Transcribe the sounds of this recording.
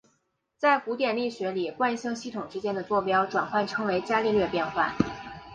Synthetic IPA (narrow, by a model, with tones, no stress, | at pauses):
t͡sa˥˩ɪku˧˥t̪̬jɛ˨˩nli˥˩ɕɥɛ˧˥li˨˩kwa˥˧nɕɤ˥ŋɕi˥˩t̪ʰʊ˨˩ŋʈ͡ʂɻ̩˥t͡ɕjɛ˥nd̪ə˨t͡swɔ˥˩pjɑ˥ʊʈ͡ʂwa˨˩nxwa˥˩nʈ͡ʂʰɤ˥ŋwe˧˥ɪt͡ɕja˥li˥˧lɥɛ˥˧pjɛ˥˧nxwa̰˥˩